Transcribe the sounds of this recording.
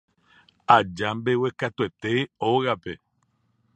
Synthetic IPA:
ad͡ʒambe̞we̞kat̪ue̞t̪e̞oɣape̞

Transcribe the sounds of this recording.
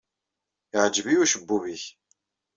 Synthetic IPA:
ɪʕəd͡ʒviuʃəbːuviç

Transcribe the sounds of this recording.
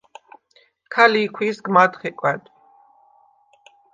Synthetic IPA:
kʰaliːkʰwisɡmad̪χiqʼwɛd̪ʰʼ

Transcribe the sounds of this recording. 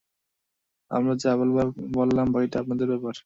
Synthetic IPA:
a̰mɾad͡ʑaβolbabolːambaɦiʈaapnad̪eɾbɛpaɾ

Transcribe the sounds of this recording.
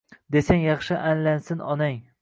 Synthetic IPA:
d̪esaŋjɑχʃɪʔanlansɪnɒnaŋ

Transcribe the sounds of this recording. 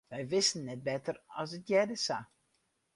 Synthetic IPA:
ʋɛjʋɪstən̩ːɛt̚bɛtərɔsətjɛdəsa

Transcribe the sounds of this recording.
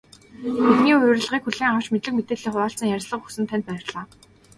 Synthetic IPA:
etniːʊjɾr̆ɮʁiːkxuɮiːŋawt͡ɕmet̪ɮɘ̆kmet̪eːɮiːχʊɾaːɬt͡sə̆ŋjæɾʲsɮə̆χxu̥sɘ̆nt̪ʰæn̥ʲt̪pæːɪ̆rɮaː

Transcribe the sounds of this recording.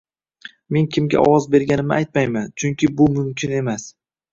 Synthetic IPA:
me̞ŋkʲʰɪmɡʲa̰ʔɒ̰wɒzbe̞ɾɡʲanɪmɪʔajt̪̚majmant͡ʃʰʊŋkʲɪbʊmʊmkʲʰɪne̞mas

